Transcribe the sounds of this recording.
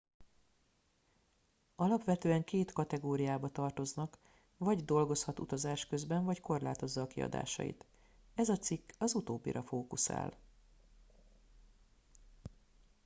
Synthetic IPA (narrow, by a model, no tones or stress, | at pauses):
ɒlɒpʋɛt̪øːɛŋkeːt̪kɒt̪ɛɡoːɾijaːbɒt̪ɒrt̪o̞znɒk | vɒɟd̪o̞lɡo̞shɒt̪ṵt̪ɒzaːʃkø̞zbɛɱvɒcko̞rla̰ːt̪o̞zːɒːkiɒ̰d̪a̰ːʃɒ̰jḭt̪ | ɛzɒt̪sikːɒzut̪oːbːḭɾʔɒfoːkusa̰ːl